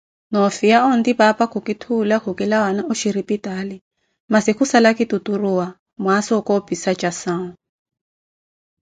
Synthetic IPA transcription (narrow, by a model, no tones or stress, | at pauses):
nɔfijaɔn̩dibapakʰukitʰulakukilawanaʔɔʃiɾipitali | masikusalakituturuwa | mwasɔkɔpisat͡ʃʼasaːŋʊ